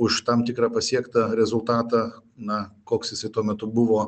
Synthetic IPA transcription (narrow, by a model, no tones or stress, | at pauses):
ʊʃt̪ɐmt̪ʲɪkɾɑːpɐsʲiɛkt̪ɐɾʲɛzʊlˠt̪ɑːt̪ɑnɐkoːksjɪsɐɪt̪uɔmʲɛt̪ʊbʊʋoː